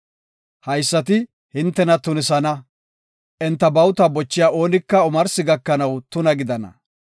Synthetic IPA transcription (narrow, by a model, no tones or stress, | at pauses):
hɐjsːɐt̪̬ɪ | hɪnt̪ːɛnɐt̪ʊnɪsɐnɐ | ʔɛnt̪ːɐbɐwt̪ɐbɔt͡ʃːɪjaːo̞ːnɪkːɐɔmɐɾsɪɡɐkːɐnɐwt̪ʊnɐɡɪd̪ɐnɐ̰